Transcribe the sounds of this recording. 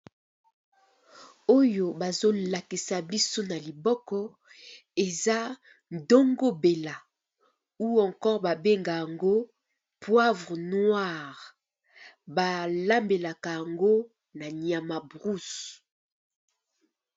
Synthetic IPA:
o˦jo˨ba˨zo˦la˨ki˨sa˨bi˦so˦na˨li˨bɔ˦kɔ˦ | e˨za˦ | n˦do˦ŋɡo˦be˨la˨ | u˦ɔ̃˨ŋkɔ˦ʁba˨be˦ŋɡa˨ja˨ŋɡo˦ | pwa˦vʁnwa˦˨ʁ | ba˨la˦mbe˨la˨ka˨ja˨ŋɡo˦ | na˨ɲia˨ma˨bʁu˦s

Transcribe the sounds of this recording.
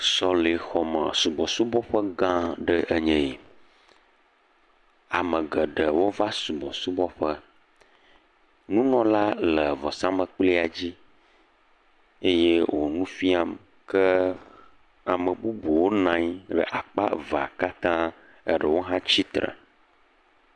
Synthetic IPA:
sɔ˦le˨xɔ˨mə̰˨su˨bɔ˨su˦bɔ˦ɸə˦ɡã˦ɖə˦ʔə˦ɲɛ̃˨i˨ | a˨mə̃˨ɡə˨ɖə˨wo˦va˦su˨bɔ˨su˦bɔ˦ɸə˦ | nũ˦nɔ̃˦la˦lə˨vɔ˨sã˦mə̃˨k͡pli˦a˨d͡ʑi˦ | e˦je˦wʔo˨nũ˦fi˦a˨m | kə˦ | a˨mə˨bu˦bu˨wo˦nã˨˦ɲ˦ɖə̰˨ʔa˨k͡pa̰˦va˨ka˦t̪ã˦ | ə̰˦ɖə˨wo˦ɦã˦t͡ɕi˦t̪ɾə̰˨

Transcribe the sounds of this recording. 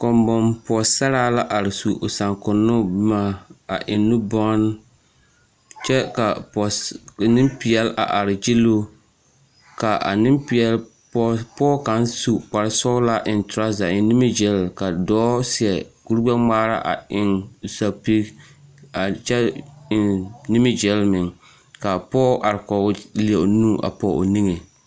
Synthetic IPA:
kɔ˨mbɔ˨mpɔ˨sa˦ɾaː˦la˦ʔa˨ɾɪ˨su˨ʔo˨sa˨ŋkʊ˨nːʊ˦ma˦a˨ʔɪ˨nːu˦bɔ˦n˦ | t͡ʃɛ˦ka˨ɔ˨nɪ˦mpi˨ɛ˨lʔa̰˨ʔa˨ɾɪ˨d͡ʒi˦lo˦ | ka˨ʔa̰˨nɪ˦mpi˨ɛ˨˦l | ppɔː˦ka˨n˦su˨k͡pa˨ɾɪ˦sɔ˦la˦ʔɪ˨ntɾa˦za˨ɪ˨nɪ˦mɪ˦d͡ʒɛ˦lka˨dɔː˦si˨ɛ˨ku˦ɾɡ͡ba˦maː˦ɾa̰˦ʔa̰˨ɪ˨ŋsa˨pi˦ | a˨t͡ʃɛ˦ɪ˨nnɪ˦mɪ˦d͡ʒɛ˦lmɪ˨ŋ | ka˨pɔː˦ʔa˨ɾɪ˨kɔ˨˦li˨ɛ˨ʔnuː˦˨ʔa̰˨pɔ˨ʔo̰˨ni˦ŋe˨

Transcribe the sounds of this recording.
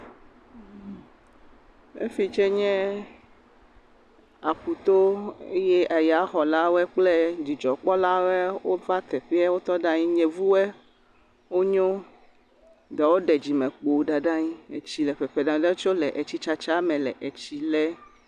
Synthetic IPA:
ḛ˦fi˨t͡ʃɛ˦ɲɛ̃˦ | a˨ɸu˨t̪o˦ḛ˦jɛ˦ʔa˨ja˦xɔ˨la˦wɛ˦k͡ple˦d͡ʑi˨d͡ʒɔ˨k͡pɔ˦la˦wɛ˦wo˦va˦t̪ɛ˨ɸi˦a˦wo˦t̪ɔ˦ɖã˦ɲĩ˦ɲɛ̃˨vu˦wɛ˦ | wo˦ɲɔ̃˦ | dɛ˨wo˦ɖɛ˨d͡ʑi˨mɛ̃˨k͡po˨˦ɖa˨ɖã˦ɲi˦e˨t͡ɕi˨lɛ˨ɸɛ˨ɸe˨ɖã˨˦ɖɛ˦t͡ʃo˦lɛ˨ʔe˨t͡ɕi˦t͡ʃa˦t͡ʃa˦mɛ̃˨lɛ˨ʔe˨t͡ɕi˨lɛ˦

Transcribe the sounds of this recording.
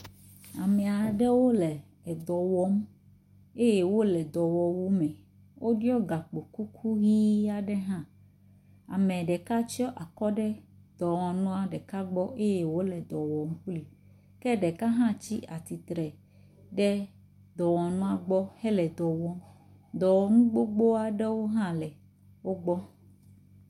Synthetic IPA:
a˨mɛ˨a˨ɖɛ˦wo˦lɛ˨ | ɛ˨d̪ɔ˨wɔ˨˦m | e˦jɛ˦wo˦lɛ˨d̪ɔ˨wɔ˨wo˦mɛ̃˨ | wʔo˦ɖi˦ɔ˦ɡa˨k͡po˨ku˦kʰu˦ɣi˦a˦ɖɛ˦ɦã˦ | a̰˨mɛ̃˨ɖɛ˨ka˦t͡ʃɔ˦ʔa˨kɔ˦ɖɛ˦ | d̪̥ɔ˨wɔ˨nũ˦a˨ɖɛ˨ka˦ɡ͡bɔ˦ʔe˦jɛ˨wo˦lɛ˨d̪ɔ˨wɔ˨ŋu˦kli˨ | kɛ˦ɖɛ˨ka˦ɦã˦t͡ɕi˦ʔa˨t̪i˨t̪ɾɛ˨ | ɖɛ˦ | d̪ɔ˨wɔ˨nũ˦a˨ɡ͡bɔ˦hɛ˦lɛ˨d̪ɔ˨wɔ˦ | d̪ɔ˨wɔ˨ŋũ˦ɡ͡bo˦ɡ͡bo˦a˨ɖɛ˦wo˦ɦã˦lɛ˨ | wo˦ɡ͡bɔ˦

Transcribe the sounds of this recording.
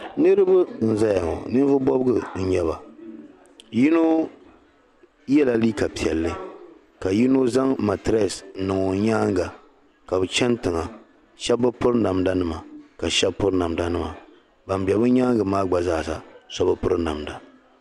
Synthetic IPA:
nɨ˦ɾɨ˦bɨ˦n̩˨za˦ja˨ŋɔ̰˨nɨ˦n˦vʊ˦bɔ˦bɡɨ˨n̩˨ɲɛ˦ba˨ | ji˦no˦ | jɛ˦la˨liː˦ka˨pi˨ɛ˨lːɨ˦ | ka˨ji˦no˦za˦ŋma˨tɾɛ˦˨snɨ˨ŋo˨ɲaː˦ŋ˦ɡa˨ | ka˨bɨ˨t͡ʃɛ˦ntɨ˨ŋa˨ | ʃɛ˦bːɨ˦pʊ˦ɾna˨mda˦nɨ˦ma˨ka˨ʃɛ˦bpʊ˦ɾna˨mda˦nɨ˦ma˨ | ba˨mbɛ˨bɨ˦ɲaː˦ŋɡɨ˨maː˦ɡ͡ba˨zaː˦˨sa˨sɔ˦bɨ˦pʊ˦ɾɨ˦na˨mda˨

